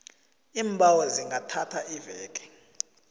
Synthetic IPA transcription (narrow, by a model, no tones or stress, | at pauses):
iːmbʱawɛziŋɡʱatʰatʰaʔivɛːk̬ʼɛ̥